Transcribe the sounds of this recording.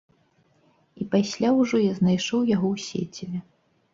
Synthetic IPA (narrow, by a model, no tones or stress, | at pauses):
ipasʲlʲawʐɔjaznajʂɔwjaɣɔwsʲḛt͡sʲivʲɛ